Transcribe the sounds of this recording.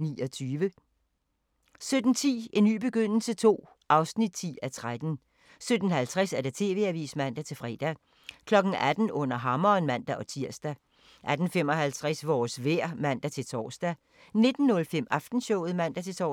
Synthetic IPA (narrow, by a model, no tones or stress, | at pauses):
niːɒ̽t͡sʰyːʋə | sød̥n̩t͡sʰḭːe̝nːy̰ːb̥e̝ɡ̥øn̰l̩sət͡sʰo̝̰ː | ʔɑ̈ʊsnid̥̚t͡sʰḭːæt͡sʰʁad̥n̩ | sød̥n̩hælt͡sʰʁasæɐɾ̥et͡sʰe̝ːʋe̝̰ːæʋḭːsmæn̰d̥æt͡sʰe̝lfʁɛːd̥æ | kʰlɒ̽ɡ̥n̩æd̥n̩ɔ̽n̰ɐɦɑ̈mɐːnmæn̰d̥æʔɒ̽t͡sʰiɐ̰sd̥æ | ʔæd̥n̩fem̰ɒ̽hælt͡sʰʁasʋɒːsʋeɐ̰mæn̰d̥æt͡sʰe̝lt͡sʰɒ̰ːsd̥æ | ne̝d̥n̩ːɔ̽lfem̰ɑfd̥n̩ɕɔʊ̰ð̩ˠmæn̰d̥æt͡sʰe̝lt͡sʰɒ